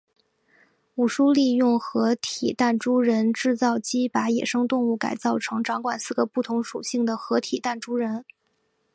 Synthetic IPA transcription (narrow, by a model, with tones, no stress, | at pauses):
u˨˩ʂu˥li˥˧jʊ˥˩ŋxɤ˧˥t̪ʰi˨˩t̪a˥˩nʈ͡ʂu˥ɻə˧˥nʈ͡ʂɻ̩˥˧t͡sɑ˥˩ʊt͡ɕi˥pa˧˥jɛ˨˩ʂɤ˥ŋt̪ʊ˥˧ŋu˥˩ka̰˨˩ɪt͡sɑ˥˩ʊʈ͡ʂʰɤ˧˥ŋʈ͡ʂɑ˧˥ŋkwa˨˩nsɹ̩˥˩ɡə˩pu˥˩t̪ʰʊ˧˥ŋʂu˨˩ɕi˥˩ŋd̪ə˩xɤ˧˥t̪ʰi˨˩t̪a˥˩nʈ͡ʂu˥ɻə˧˥n